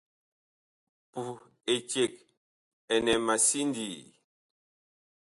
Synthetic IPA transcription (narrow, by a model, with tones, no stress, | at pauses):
pu˨ | e˨t͡ʃje˨k̚ | ɛ˨nɛ˨ma˨si˦ndi˨